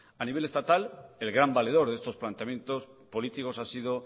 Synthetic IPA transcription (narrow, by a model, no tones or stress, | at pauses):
aniβe̞le̞st̪at̪ale̞lɣɾambale̞ð̞o̞ɾðest̪o̞splant̪eamjent̪o̞spo̞lit̪iko̞sasið̞o̞